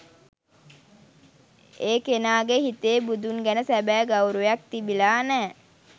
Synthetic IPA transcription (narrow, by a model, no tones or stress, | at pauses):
eːkenaːɡeɦit̪eːbud̪unɡænəsæbæːɡawɾujak̚t̪ibilaːnɛː